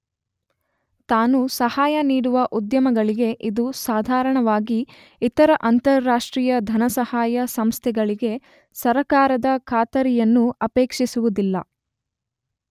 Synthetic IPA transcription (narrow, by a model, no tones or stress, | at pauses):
t̪aːnusɐhaːjɐniːɽuʋɐʔud̪jɐmɐɡɐɭiɡe̞ʔid̪usaːd̪ʱaːɾɐɳɐʋaːɡi | it̪ɐɾɐʔɐnt̪ɐɾːaːʂʈɾiːjɐd̪ʱɐnɐsɐhaːjɐsɐmst̪ʰɛɡɐɭiɡe̞ | sɐɾɐkaːɾɐd̪ɐkʰaːt̪ɐɾijɐnːuɐpeːkʂisuʋud̪ilːɐ̰